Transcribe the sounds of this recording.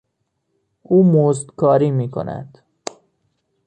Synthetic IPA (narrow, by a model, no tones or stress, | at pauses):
ʔuːmozd̪kʰɒːɾiːmiːkʰo̰næ̰d̪̥